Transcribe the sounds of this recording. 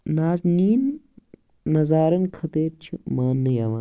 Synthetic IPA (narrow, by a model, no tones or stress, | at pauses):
naːzniːnː | ɐzaːɾɐnkʰɐt̪eːɾt͡ʃʰimaːnːɐjaʋa̰ː